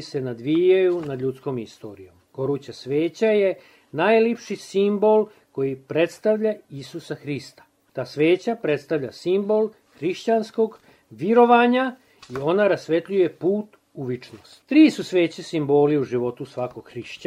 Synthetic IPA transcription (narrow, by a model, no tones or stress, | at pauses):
se̞nad̪ʋijajunad̪ʎut̪sko̞ːmist̪o̞̰ːɾijo̞̰mɡ̥o̞ɾuːt͡ɕasʋe̞ːt͡ɕaje̞ | najlipʃisimbo̞l | ko̞jipɾe̞t̪st̪aʋʎaisusaxɾist̪ḁ | t̪aːsʋe̞ːt͡ɕapɾe̞t̪st̪aʋʎa̰simbo̞l | xɾiʃt͡ɕansko̞ɡ | ʋiɾo̞ʋaːɲa | io̞naɾasʋe̞t̪ʎuje̞puːt̪ | uʋit͡ʃno̰st̪t̪ɾiːsusʋe̞ːt͡ɕesimbo̞ːliuʒiʋo̞t̪usʋakoɡ̥xɾiʃt͡ɕ